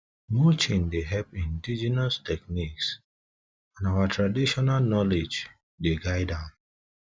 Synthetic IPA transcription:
mut͡ʃẽndeɦɛpĩndid͡ʒɛnastɛkniks | ãnawatʰɹadiʃɔnalnɔled͡ʒ | deɡaɪdãn

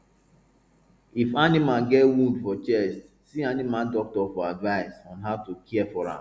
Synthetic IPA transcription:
ifanimãnɡɛtwũndfɔt͡ʃɛst | sianimãndɔk̚tɔfɔadvaɪsɔ̃nɦaʊtukʰɛɛfɔɹã̰

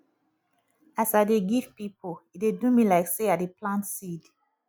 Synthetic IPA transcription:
asaɪdeɡivpipʰoit̚dedumilaɪkseaeplãntsid

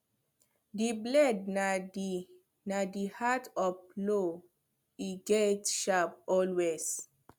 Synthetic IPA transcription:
diblɛd̚nad | nadihatɔplo | iɡetʃapɔlwez̥

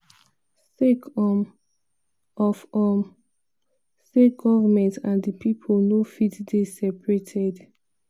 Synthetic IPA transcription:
sekɔm | ʔɔfɔm | seɡɔvəmɛ̃ntãndəpʰipʰolnofitdesɛpɹetʰɛd

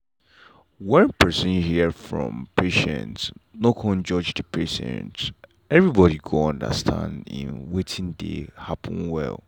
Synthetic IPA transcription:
wɛ̃npʰɜ˞sɔ̃nhifɹɔ̰̃mpʰeʃɛ̰̃ntnokʰɔ̃nd͡ʒɔd͡ʒdəpʰeʃɛ̰̃nt | ɛvɹibɔɾiɡʰoɔ̃ndə̰stʰã̰ndḭ̃nwetʰĩndḛhapə̃n̩wɛ̰lˠ

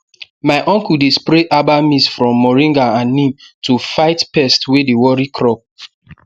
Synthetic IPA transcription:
maɪʔɔ̃ŋkudespɾeʔabamisfɹɔ̃mːɔɹĩŋɡaãnːĩmtʰufaɪtpɛstwedewɔɹikʰɹɔp̚

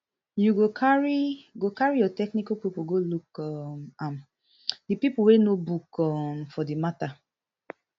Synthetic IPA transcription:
juɡokʰaɹiɡokaɹijɔtɛknikapipuɡolukɔmam | dipipuwenobukɔmfɔdimata

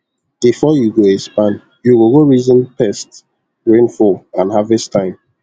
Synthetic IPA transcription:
b̥ifɔjuɡoɛspãn | juwiɡoɹizə̃npʰɛst | ɹẽnfɔlãnhavɛstʰãɪ̃m

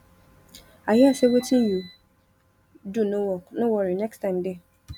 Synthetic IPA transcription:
aɦɪasewetiji | dunowɔknʊwɔɾinɛkstaɪ̃mdɪ

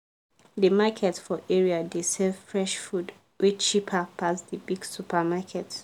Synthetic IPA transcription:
dəmakʰɛtfɔʔɛɹiadesɛvfɹɛʃfud | wit͡ʃipʰapʰasdəbiɡsupʰamakʰɛt

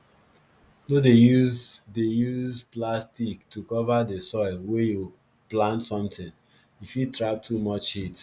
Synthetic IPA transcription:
dodejuzdejuzplastiktʰukɔvadesɔɪlweju | plãntsɔ̃mtɪ̃ŋ | ifjutɹap̚tʰumɔt͡ʃhit

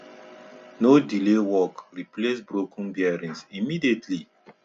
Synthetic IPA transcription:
nodilewɔkɾiplesbɾokʰɔ̃n̩biaɾĩnsimidietʰli

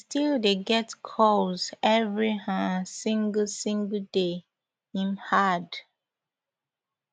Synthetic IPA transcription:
stildeɡɛtkʰɔlzɛvɹihãsĩŋɡlsĩŋɡlde | ĩmhad

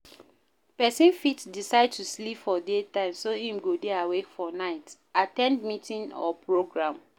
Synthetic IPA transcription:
pɛsĩnfitdisaɪd̚tuslipfɔdetãɪ̃msohĩmɡodeawefɔnaɪt | atɛ̃ndmitĩnɔ̰pɹoɡɹãm

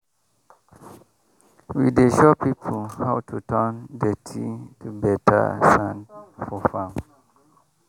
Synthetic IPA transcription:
wideʃɔpipʰohawtʰutʰəndətʰitʰubɛtʰa̰sãnfɔfãm

